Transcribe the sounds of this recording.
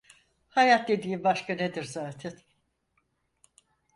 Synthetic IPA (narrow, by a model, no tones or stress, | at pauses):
hajat̪̚d̪e̞d̪iːimbaʃkaned̪iɾzaːt̪ʰɛn